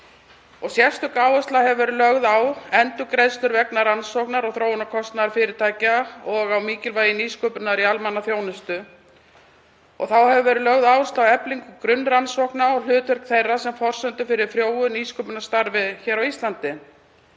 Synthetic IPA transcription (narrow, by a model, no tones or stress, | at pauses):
ɔɣsjɛr̥st̪ʏkaːwʏst̪lahɛvʏvɛːɾʏlœɣðawɛnt̪ʏkɾejðst̪ʏɾvɛknaɾansɔknaɾɔɣθɾoːwʏnakʰɔst̪naðaɾfɪːɾɪɾt̪ʰaːjcaɔɣawmiːcɪlvaːjɪniːskœːpʏnaɾialmanaθjoːwnɪst̪ʏ | ɔ̰ɣθawhɛvʏvɛːɾɪlœɣðaːwʏst̪lawɛpliŋkʏkɾʏnːɾansɔknaɔl̥ʏːt̪ʰvʏɾ̥kθejrːasɛmfɔr̥sœnt̪ʏfɪɾɪɾ̥fɾjoːwʏniːskœpʏnast̪aɾvɪçɛːɾawist̪lant̪ɪ